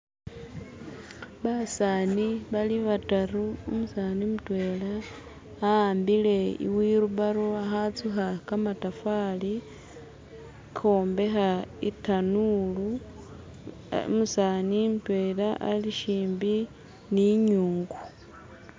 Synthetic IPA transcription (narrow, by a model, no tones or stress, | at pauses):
βasaːniβaliβataruumusaːnimutwe̞laː | aːmbile̞ḭwiɾuβaɾoaxat͡suxakamatafali | kʰo̞ːmbe̞xaḭtanulu | ṵmusaːnimutwe̞ːlaʔaliʃiːmbi | niɲuːŋɡu